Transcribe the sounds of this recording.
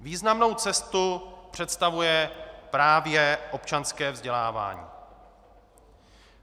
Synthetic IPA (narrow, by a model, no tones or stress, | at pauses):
viːznamno̞wt͡sɛst̪upr̝̥ɛt̪st̪avujɛpɾaːvjɛʔo̞pt͡ʃanskɛːvzɟɛlaːva̰ːɲḭː